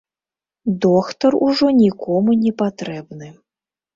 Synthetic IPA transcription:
d̪ɔxt̪ɐruʐɔnʲikɔmunʲɛpat̪ɾɛbnɨ

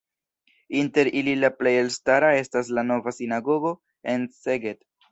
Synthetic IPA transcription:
inte̞ɾililaple̞je̞lstaɾae̞stas̬lano̞vasinaɡo̞ɡo̞ | e̞nse̞ɡet

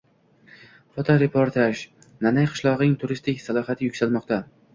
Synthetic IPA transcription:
fot̪ʰoɾepʰoɾt̪ʰaʃ | nanajqʰɨ̥ʃlˠɒʁnɪŋt̪ʰʊɾɪst̪ɪkʲsalˠɒɦat̪ʰɪjʊkʲsalmɒqt̪ʰa

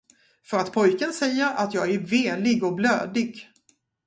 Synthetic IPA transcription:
fœɾat̪pʰɔjkənsɛjːəɾat̪jɑːɡæɾveːlɪɡɔblø̰ːd̪ɪɡ

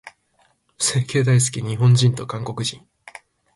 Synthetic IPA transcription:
se̞ːke̞ːd̪ais̬ɨ̥kʲiɲ̟iɦõ̞ɲ̟d͡ʑĩnt̪o̞kãŋko̞kɯ̟ʑĩŋ̃

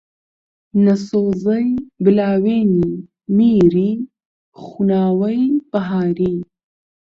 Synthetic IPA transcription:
nasoːzɐjbɪlɑːweni | miːɾi | xunaːwɐjb̥ɐɦaːɾiː

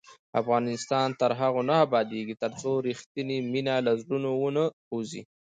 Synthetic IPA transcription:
a̰fɣɑnɪst̪ɑnt̪əɾɦaɣonaabɑd̪eɡit̪əɾt͡soɾixt̪iniminalazɽunowonə | ozḭ

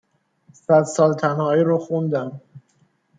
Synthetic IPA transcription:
sæd̪sɒːlt̪ʰænhɒːiːɾɒxund̪æm

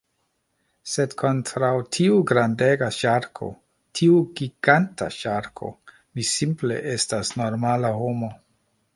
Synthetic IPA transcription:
se̞dkʰo̞ntɾawtʰiuɡɾandeɡaʃaɾkʰo̞̰ | tʰiuɡiɡ̥anta̰ʃaɾkʰo̞̰ | misimple̞̰ʔestasno̞ɾmalaho̞mo̞

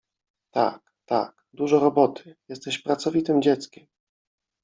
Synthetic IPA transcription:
t̪a̰k | t̪a̰k | d̪uʐɔɾɔbɔt̪ʰɘ̥jɛst̪ɛɕpɾat̪sɔvʲit̪ɘmd͡ʑɛt̪skʲɛm

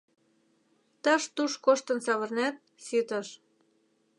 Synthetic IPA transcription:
t̪ɑʃt̪uʃkoʃt̪ɤ̆nsɑβɤ̆rnæt̪̚ | sit̪ə̆ʃ

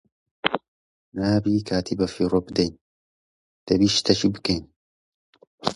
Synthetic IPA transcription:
naːbiːkʰaːt̪ʰibɐfirobd̪ejn | d̪̥ɐbiʃt̪ʰɐʃibɨken

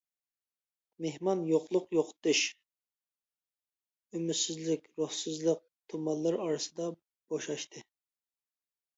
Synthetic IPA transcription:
mehmɑnjoqlˠʊqjoqʰt̪ɨʃ | ymysɪzlɪkʲɾohsɨzlˠəq̚t̪ʰumɑnlˠɨɾɑɾɨsɨd̪ɑ | b̥oʃɑʃt̪ʰɨ

